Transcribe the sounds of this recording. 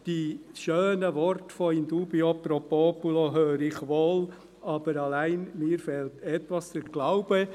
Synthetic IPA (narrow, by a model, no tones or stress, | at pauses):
d̥iʃøːnəʋɔɾtfɔind̪uːbiopɾopopuloɦøːɾɪχʋoːl | ʔɑb̥əɾɑlæɪnmiːɾfɛltɛtʋɑsdəɾɡ̥laʊb̥ə